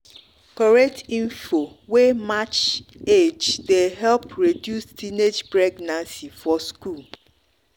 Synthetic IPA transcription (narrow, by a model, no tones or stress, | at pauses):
kɔɹɛk̚tĩnfo | wemat͡ʃed͡ʒdeɦɛlpɹedjustʰined͡ʒpɹeɡnãnsifɔskul